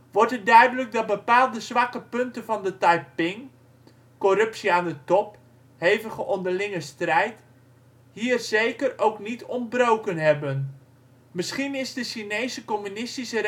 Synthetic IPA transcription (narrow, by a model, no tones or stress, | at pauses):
ʋɔɹtət̚dœɥdələk̚dɑt̚bəpaːlˠdəzʋɑkəpɵntənvɑndətajpɪŋ | kɔrɵpsiaːndətɔp | hejvəχəʔɔndərlɪŋəstrɛjt | ɦiːrzejkərowknitɔntbrowkənɦɛbən | mɪsχinɪzdəʃinejsəkɔmynɪstisə